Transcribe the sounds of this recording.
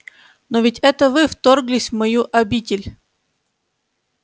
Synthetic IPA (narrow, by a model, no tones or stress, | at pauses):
novʲɪtʲɛt̪əvɨft̪orɡlʲɪsʲmɐjuʔɐbʲitʲɪlʲ